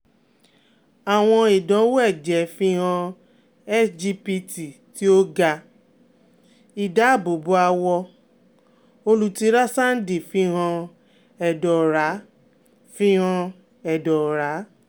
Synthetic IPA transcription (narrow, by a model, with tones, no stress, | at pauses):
a˨w̃ɔ̃˧i˨dɔ̃˨˦wɛ˦˨d͡ʒɛ˨˦fi˦ɦɔ̃˧ | ɛ˦d͡ʒi˦pi˧˦ti˨ti˦o˦ɡa˧ | i˨da˨˦˨bo˨bu˦a˧wɔ˧ | o˧lu˨ti˧˦ɾa˦sa˦n̩˦di˨fĩ˦ɦã˧ | ɛ˨dɔ˨ɾa˨˦ | fĩ˦ɦɔ̃˧ | ɛ˨dɔ˨ɾa˨˦